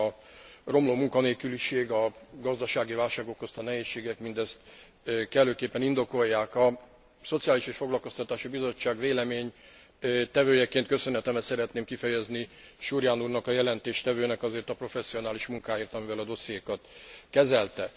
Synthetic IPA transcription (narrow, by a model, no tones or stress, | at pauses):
ɒ | ro̞mloːmuŋkɒneːlkyliʃeːɡɒɡɒzd̪ɒʃaːɡivaːlʃaːɡo̞kːo̞st̪ɒnɛɦeːʃːeːɡɛkmind̪ɛst̪ | kɛløːkeːpːɛnind̪o̞ko̞jːaːkɒ | so̞t̪sijaːliʃeːʃfo̞ɡlɒlko̞st̪ɒt̪aːʃibizo̞t͡ʃːaːɡveːlɛmeːɲ | t̪ɛvøːjɛkeːnt̪kø̞sønɦɛt̪ɛmɛt̪sɛɾɛt̪neːmkifɛjɛzniʃurjaːnuːrnɒkɒjɛlɛnt̪eːʃt̪ɛvøːnɛkɒzeːrt̪ɒpro̞fɛsːijo̞naːliʃmuŋkaːjeːrt̪ɒmivɛlɒd̪o̞sːijeːkɒt̪kɛzɛlt̪ɛ